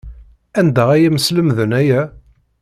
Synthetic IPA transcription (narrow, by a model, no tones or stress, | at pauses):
ænd̪æʁæjæməsləmðənæjæ